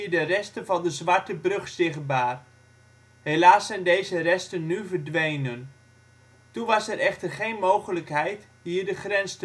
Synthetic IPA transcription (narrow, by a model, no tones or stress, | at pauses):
idərɛstənvɑndəzʋɑɹtəbrɵχsɪχt̚baːr | helaːsɛjndejzərɛstənːyvərdʋejnən | tunʋɑsɛɾʔɛχtərχejnmowχələkɦɛjt | ɦiːrdəχrɛnst